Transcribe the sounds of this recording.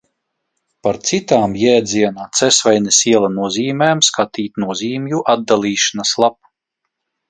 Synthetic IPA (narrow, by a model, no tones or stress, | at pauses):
paɾt̪sit̪aːmjɛːd̪zʲiɛnaːt̪sɛsvajnɛsiɛlˠanuɔziːmɛːmskat̪iːt̪nuɔziːmjuʔad̪̚d̪ːalˠiːʃanaslˠap̚